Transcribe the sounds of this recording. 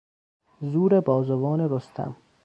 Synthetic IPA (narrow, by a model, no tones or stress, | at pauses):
zuːɾebɒːzovɒːneɾost̪ʰæ̰m